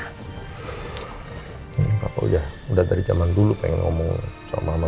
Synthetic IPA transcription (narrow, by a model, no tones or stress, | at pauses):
kapaṵdahudahdaɾid͡ʒamandulupɛŋɛnŋɔmɔŋsa̰mama